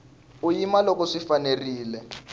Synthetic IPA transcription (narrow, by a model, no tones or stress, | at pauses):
ujimalokɔʂifaneriːlɛ